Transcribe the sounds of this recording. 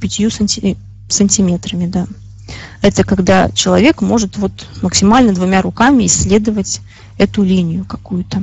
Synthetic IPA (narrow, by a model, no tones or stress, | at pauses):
pʲɪtʲɪjusʲ | sənʲtʲɪmʲe̞t̪ɾəmʲɪd̪a | ɛt̪əkɐɡd̪at͡ɕɪlˠɐvʲe̞kmo̞ʐɨt̪vo̞t̪məksʲɪmalʲnəd̪vʊmʲaɾʊkamʲɪɪsʲːlʲe̞d̪əvətʲ | ɛt̪ʊlʲinʲɪjʊkɐkujʊt̪ə